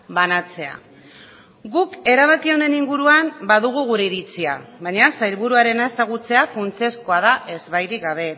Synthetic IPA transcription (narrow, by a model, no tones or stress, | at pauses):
banat͡se̞a̰ | ɡuke̞ɾaβ̞akio̞nd̪e̞niŋɡuɾuambaðuɣ̞uɣ̞uɾe̞iɾit͡sia̰βajɲasajɾβuɾuaɾe̞naesaɣ̞ut͡se̞afunt͡siesko̞aðaʔe̞zβajɾiɡaβ̞e̞